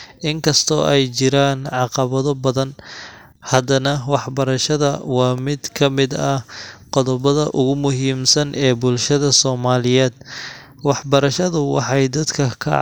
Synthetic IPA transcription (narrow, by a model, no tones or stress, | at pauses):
ʔɪŋkʰɐst̪ʰɔːʔɛjt͡ʃɪɾaːnʕɑqɑβɐðɔbɐðɐn | hɐd̪ɐnɐwɑħbɐɾɐʃɐðɐwɑːmɪd̪kʰɐmɪd̪ɐqɔðɔβɐðɐʔʊɣʊmʊɦiːmsɐnʔɛːbʊlʃɐðɐsɔːmaːlɪjɛːd̪ | wɑħbɐɾɐʃɐðʊwɑ̰ħɑjd̪ɐd̪kʰɐkʰɐ̰